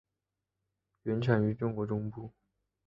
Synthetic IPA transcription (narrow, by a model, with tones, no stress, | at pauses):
ɥɛ˧˥nʈ͡ʂʰa˨˩ny˧˥ʈ͡ʂʊ˥ŋkwɔ˧˥ʈ͡ʂʊ˥ŋpu˥˩